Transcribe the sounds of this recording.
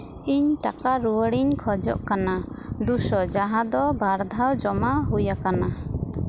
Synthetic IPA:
iɲʈakaɾuwəɽiɲkʰɔd͡ʒɔʔkanad̪usɔd͡ʒaɦãd̪ɔbaɾd̪ʱawd͡ʒɔmaɦujakana

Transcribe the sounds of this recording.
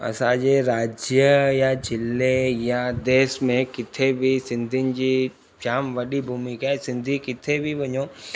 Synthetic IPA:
ɐ̰saːd͡ʒeɾaːd͡ʒjəjat͡ʃɪlːejad̪eːsmẽkɪt̪ʰːebʱisɪ̃nd̪ʱɪnd͡ʒi | t͡ʃaːmʋɐɽibʱuːmikaɛsɪ̃nd̪ʱikɪt̪ʰːebʱibɐɲõː

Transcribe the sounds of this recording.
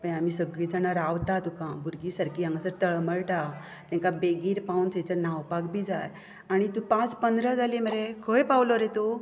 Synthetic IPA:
pəɳamisəɡɭid͡zənaɾaʋt̪at̪ukãbʱuɾɡisəɾkiːãŋɡasəɾt̪əɭməɭʈa | t̪ɛ̃ŋkabeɡiːɾpaunt͡sẽt͡ɕənawpakbʱiːd͡zaj | aɽ̃it̪ũpãt͡spənd̪ɾəd͡zaleməɾekʰojpawloɾet̪u

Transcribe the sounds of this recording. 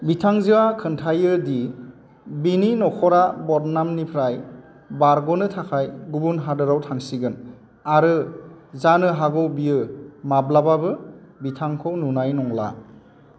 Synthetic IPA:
bitʰaŋziwakʰɯntʰajɯdi | bininɔkʰɔɾabɔɾnamnipʰɾaj | baɾɡɔnɯtʰakʰajɡubunɦadɯɾawtʰaŋsiɡɯn | aɾɯzanɯɦaɡɔwbiɯmablababɯbitʰaŋkʰɔwnunajnɔŋla̰

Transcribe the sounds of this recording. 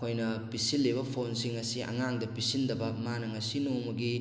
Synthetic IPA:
kʰojnɐpisilːibɐpʰonsiŋɐsiʔɐ̰ŋaŋdɐpisindɐbɐmanɐŋɐsinowmɐɡi

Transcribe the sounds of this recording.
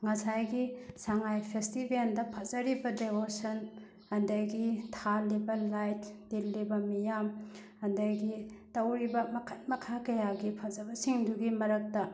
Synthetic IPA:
ŋɐsajɡisaŋajpʰestibendɐpʰɐzɐɾibɐdebosɐn | hɐndɐjɡitʰalibɐlajtd̥ilːibɐmijamhɐndɐjɡitɐwɾibɐmɐkʰɐt̚mɐkʰakɐjaɡipʰɐzɐbɐsiŋduɡimɐɾɐk̚tɐ

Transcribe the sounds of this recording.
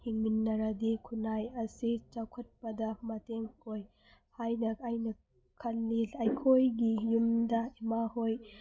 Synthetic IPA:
hiŋminːɐɾɐdikʰunajɐsit͡ʃawkʰɐt̚pɐdɐmɐteŋkoj | hajnɐkajnɐ | kʰɐnlilajkʰojɡijumdɐimahoj

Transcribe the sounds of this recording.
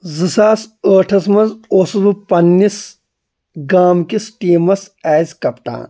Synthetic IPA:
zɨsaːsəːʈʰɐs̬mɐnzoːsɐbupɐnːis | ɡaːmkisʈiːmɐs | ɛːzkɐpʈã̰ː

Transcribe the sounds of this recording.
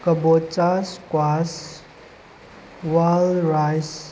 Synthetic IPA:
kəbot͡saskwas | walɾajs

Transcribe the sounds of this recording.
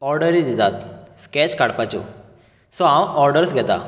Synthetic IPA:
ɔɾɖəɾid̪it̪at̪skɛt͡ɕkaɽpat͡ɕṵ | sɔãwɔɾɖəɾsɡʱɛt̪a̰

